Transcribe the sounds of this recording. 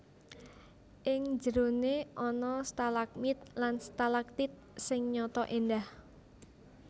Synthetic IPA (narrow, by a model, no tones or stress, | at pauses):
ʔɪŋd͡ʒəɾoneʔɔnɔst̪alak̚mit̪̚lanst̪alak̚t̪ɪt̪̚sɪŋɲɔt̪ɔʔendah